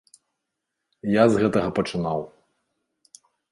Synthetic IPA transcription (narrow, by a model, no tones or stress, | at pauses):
jazɣɛt̪ɐɣɐpɐt͡ʂɨnaw